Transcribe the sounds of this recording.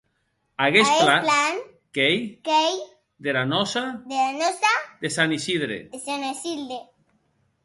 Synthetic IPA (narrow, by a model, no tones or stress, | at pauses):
aɣesɣelalan | kejkej | d̪eɾanɔsad̪eɾanosad̪esanisiðɾḛd̪esanesild̪e